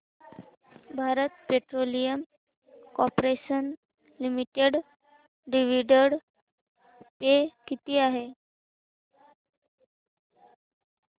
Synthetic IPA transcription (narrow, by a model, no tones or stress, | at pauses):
bʱaɾət̪̚peʈɾolijəm | kɔpɾeɕən | limiʈeɖ | ɖiʋiɖəɽ | pekit̪iːaɦe